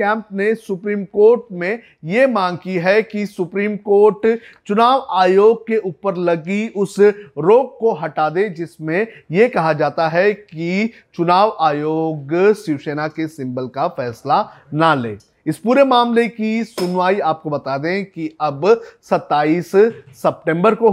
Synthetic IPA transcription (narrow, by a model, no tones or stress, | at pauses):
ɛ̃ːmpnesʊpɾiːmkoːɾʈmẽ | jemãːŋɡkiɦɛkisʊpɾiːmkoːɾʈt͡ʃʊnaːʋaːjoːɡ̚keʔuːpəɾlɐɡiʊsɾoːɡ̚koɦɐʈaːd̪ed͡ʒɪsmẽjekɐɦad͡ʒaːt̪aɦɛki | t͡ʃʊnaːʋaːjoːɡsɪʋseːnakesɪ̃mbəlkafɛːsla | naleː | ɪspuːɾemaːmlekisʊnʋaːiaːp̚kobɐt̪aːd̪ẽkiɐbsɐt̪ːaːiːssɐp̚ʈẽmbəɾko